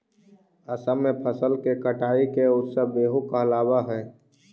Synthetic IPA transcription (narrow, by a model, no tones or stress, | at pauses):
əsəmẽpʰəsəlkekəʈaːikeʊt̪səbeːɦʊkaəlaːwaɦɛː